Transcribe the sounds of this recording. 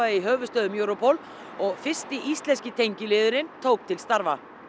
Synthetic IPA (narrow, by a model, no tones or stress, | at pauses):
aðɪiɦœːvʏst̪œːðʏmjoːwɾɔpʰɔl | ɔɣfɪ̥st̪ɪʔist̪lɛnscɪt̪ʰejɲcɪlɪːðʏɾɪnt̪ʰoːwk̚t̪ʰɪlst̪aɾva